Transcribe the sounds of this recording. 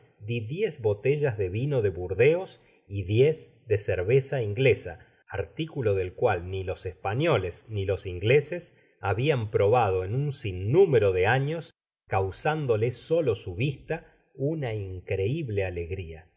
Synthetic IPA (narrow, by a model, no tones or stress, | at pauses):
d̪iðjezβo̞t̪eʒazðe̞βino̞ðe̞βuɾðeos | iðjez | d̪eseɾβesaiŋɡle̞saː | ɾt̪ikulo̞ðe̞lkwalnilo̞sespaɲo̞le̞snilo̞siŋɡleses | aβiampɾo̞βað̞o̞enunsinːũmeɾo̞ðeaɲo̞s | kawsand̪o̞leso̞lo̞suβist̪a | unaiŋkɾe̞iβle̞ale̞ɣɾia